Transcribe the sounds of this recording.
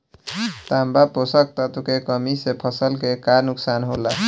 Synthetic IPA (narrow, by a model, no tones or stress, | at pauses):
t̪ambaposək̚t̪at̪ukekəmisepʰʌsəlkekaɾnuksanɦola